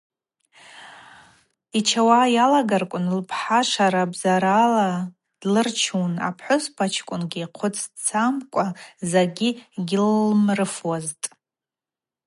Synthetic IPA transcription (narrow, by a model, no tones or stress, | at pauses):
it͡ʃʰawajalaɡarkʷʼʊnlpʰħaʂaɾabzaɾala | d̥lɨrt͡ʃʰuna̰pʰħʷʊspʰat͡ʃʰkʷʼʊnɡʲiːqʷʰʊt͡sʰt͡sʰamkʷʼazaɡʲiɡʲɪlmrɨfwaztʼ